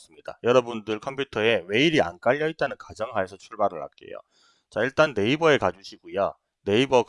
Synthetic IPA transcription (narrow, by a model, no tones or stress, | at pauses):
s͈ɯmɲida̰jʌɾʌbundɯɭkʰʌmpʰjutʰʌe̞we̞iɾia̰nk͈aʎːʌit̚t͈anɯnkad͡ʑʌŋɦaesʰʌt͡ɕʰuɭbaɾɯɭːa̰t̚k͈e̞̰jo̰ | t͡ɕaiɭt͈anːe̞ibʌe̞kad͡ʑuɕʰiɡujo | ne̞ibʌk